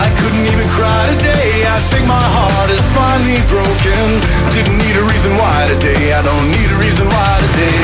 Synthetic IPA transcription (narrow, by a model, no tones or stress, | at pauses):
aɪkʰʊdⁿn̩tivɨ̃nkʰɹ̥aɪɾɨdeɪ | aɪθɪ̃ŋk̚maɪɦɑɹɹɾɨz̥fãɪ̃nlibɹoʊkɨ̃n | dɪdⁿn̩niɾɨɹizɨ̃nwaɪɾɨdeɪaɪdõʊ̃nːiɾɨɹizɨ̃nwaɪɾɨdeɪ